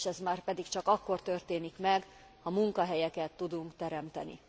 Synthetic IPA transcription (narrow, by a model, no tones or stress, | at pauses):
ʃɛzmaːrpɛd̪ikt͡ʃɒkɒkːo̞rt̪ørt̪eːnikmɛɡ | hɒmuŋkɒɦɛjɛkɛt̪ːud̪uŋkt̪ɛɾɛmt̪ɛnḭ